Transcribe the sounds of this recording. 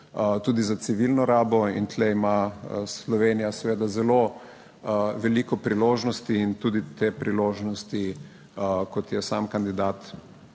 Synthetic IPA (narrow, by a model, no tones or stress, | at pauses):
t̪uːd̪izat̪siʋilnɔɾaːbɔḭnt̪leimaslɔʋeːnijasɛʋeːd̪azɛlo | ʋɛliːkɔpɾiloːʒnɔst̪iːnt̪uːd̪it̪eːpɾiloːʒnɔst̪i | kɔt̪jɛsaːmkand̪id̪aːt̪